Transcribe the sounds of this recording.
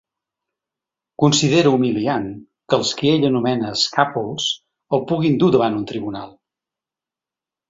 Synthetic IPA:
kunsiðeɾuumilian | kəlˠskieʎənumɛnəːskapulˠs | opuɣind̪uðəβanunt̪ɾiβunalˠ

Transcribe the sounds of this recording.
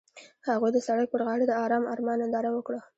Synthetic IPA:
haɣujd̪əsaɽaj̚pəɾɣɑɽed̪əɑɾɑmɑ̰ɾmɑnɪd̪ɑɾawəkɽə

